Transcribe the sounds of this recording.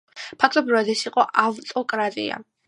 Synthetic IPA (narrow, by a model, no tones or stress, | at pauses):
pʰakʰt̪ʼɔbɾivad̪ɛsiqʼɔʔavt̪ʼɔkʼɾat̪ʼḭa̰